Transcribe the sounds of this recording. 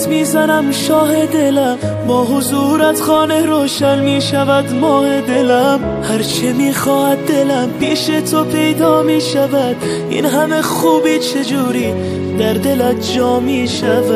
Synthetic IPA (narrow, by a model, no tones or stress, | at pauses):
t̪miːzænæmʃɒːɦed̪e̞læm | bɒːɦʊzuːɾæzχɒːneɾoːʃænmiːʃævæd̪mɒːhed̪elæm | hæɾt͡ʃʰemiːxɒːhæd̪̚d̪elæmpʰiːʃet̪ʰopʰe̞jd̪ɒːmiːʃævæd̪̥ | ḭnɦæme̞χuːbiːt͡ʃʰed͡ʒuːɾiː | d̪æɾd̪e̞læt̪d͡ʒɒːmiːʃæv